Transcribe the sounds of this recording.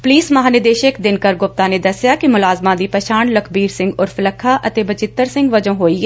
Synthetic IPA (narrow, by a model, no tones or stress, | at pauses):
pliːsmɐɦaːnɪd̪eːʃəkd̪ɪnkəɾɡʊp̚t̪ãːneːd̪əsjaːkimʊlaːzmãːd̪iːpəʃaːnləkʰbiːɾsɪ̃ŋɡʊɾfɪləkʰːaːʔət̪eːbət͡ʃɪt̪ːəɾsɪ̃ŋɡʋəd͡ʒõːɦoːiːɛ